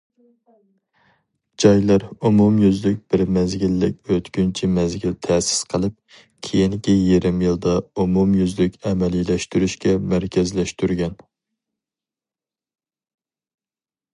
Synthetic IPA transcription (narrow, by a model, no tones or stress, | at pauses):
d͡ʒɑjlˠɑɾumumjyzlɪk̚ʲb̥ɪɾmɛzɡʲilːɪk̚ʲøt̪kʲynt͡ʃʰimɛzɡʲilt̪ʰɛsɪ̥sqʰəlˠɨp̚ | kʲʰejinkʲijeɾɪmjilˠd̪ɑumumjyzlɪkʲɛmɛlilɛʃt̪yɾyʃkʲɛmæɾkʲʰɛzlɛʃt̪yɾɡʲɛn